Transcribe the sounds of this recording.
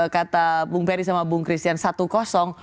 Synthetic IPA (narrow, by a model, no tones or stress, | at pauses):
kat̪abuŋpɛɾisamabuŋkɾist̪iansat̪ukɔsɔŋ